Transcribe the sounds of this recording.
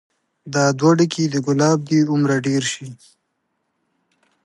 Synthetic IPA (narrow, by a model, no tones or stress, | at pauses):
d̪ɑːd̪waɖikid̪əɡʊlɑːb̚d̪iʊmɾaɖeːɾʃi